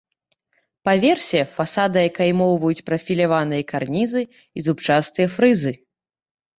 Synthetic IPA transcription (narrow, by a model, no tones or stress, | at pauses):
pavʲɛrsʲɛfasad̪ɨjakajmɔwvɐjut͡sʲpɾɐfʲilʲavanɨjɐkarnʲizɨ | izupt͡ʂast̪ɨjɐfɾɨzɨ